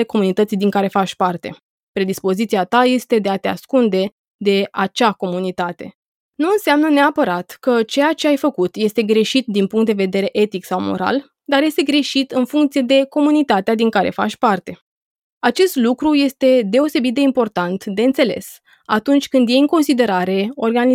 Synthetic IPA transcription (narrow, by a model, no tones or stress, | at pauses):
eko̞munit̪ət̪sijd̪iŋkaɾe̞fat͡ʃʲpart̪e̞ | pɾe̞d̪ispo̞zit̪siat̪aje̞st̪e̞d̪e̞at̪ea̰skund̪e̞ | d̪e̞at͡ʃako̞munit̪at̪e̞ | nuɨnseamnəneapəɾat̪kət͡ʃe̞jat͡ʃe̞ajfəkut̪je̞st̪e̞ɡɾe̞ʃit̪̚d̪inpuŋkt̪d̪eve̞d̪e̞ɾe̞ʔe̞t̪iksawmo̞̰ɾa̰l | d̪arje̞st̪e̞ɡɾe̞ʃit̪ɨnfuŋkt̪sije̞d̪e̞ko̞munit̪at̪ead̪iŋkaɾe̞̰fa̰t͡ʃʲpart̪e̞ | at͡ʃe̞st̪lukɾuje̞st̪e̞d̪e̞o̞se̞bit̪̚d̪e̞impo̞rt̪ant̪d̪e̞ɨnt̪se̞le̞̰s | at̪unt͡ʃʲkɨnd̪je̞jɨŋko̞nsid̪e̞ɾaɾe̞o̞̰rɡani